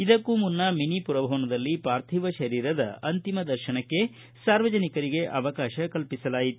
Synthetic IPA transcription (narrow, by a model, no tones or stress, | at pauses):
id̪ɐkːumunːɐminipuɾɐbʱɐʋɐnɐd̪ɐlːipaːɾt̪ʰiʋɐʃɐɾiːɾɐd̪ɐ̰ɐnt̪imɐd̪ɐɾʃɐnɐkːe̞ | saːɾʋɐd͡ʒɐnikɐɾiɡe̞ʔɐʋɐkaːʃɐkɐlpisɐlaːjit̪u̥